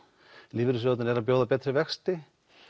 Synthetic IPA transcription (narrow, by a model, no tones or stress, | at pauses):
liːvɪɾʏs̬œt̪nnɛɾapjowðapɛːt̪ɾɪvɛxst̪ɪ